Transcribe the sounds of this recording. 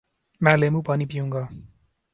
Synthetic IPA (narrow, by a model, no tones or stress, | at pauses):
malemupʌnipiũŋɡʌ